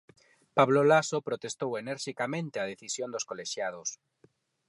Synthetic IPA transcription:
paβ̞lolasopɾot̪est̪oweneɾʃikamẽnt̪eaðeθisjond̪oskoleʃjað̞os

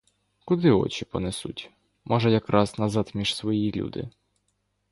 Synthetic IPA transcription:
kʊd̪ɪɔ̰t͡ʃipɔnesṵtʲ | mʔɔʒɛjɐkɾʔɑznɐzɑt̪mʲiʃsʋɔjilʲṵd̪ɪ̰

